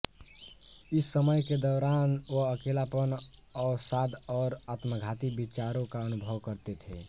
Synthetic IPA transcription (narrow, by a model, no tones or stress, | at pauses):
isːəməjked̪ɔɾanoəkelapən | ɔːsad̪ɔːɾat̪məɡʱat̪ibit͡ʃaɾõkaənubʱəwkəɾt̪et̪ʰe